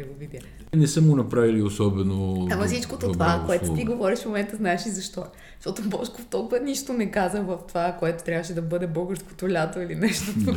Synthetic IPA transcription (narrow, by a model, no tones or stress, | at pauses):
iɡovid̪ʲə | nɛsəmɡonɐpɾaviliosɔbɛnoamɐfsit͡ʃkot̪ot̪ovakoɛt̪o̥t̪iɡovɔɾiʃfmomɛnt̪əznaɛʃizɐʃt̪ɔ̥ | ʃt̪ɔt̪obɔʃkoft̪ɔlˠkʊvɐniʃt̪onɛkazəxvəft̪ovakoɛt̪o̥t̪ɾʲavəʃɛd̪ɐbɤd̪ɛbɤlˠɡəɾsko̥t̪olʲat̪oilinɛʃt̪ot̪o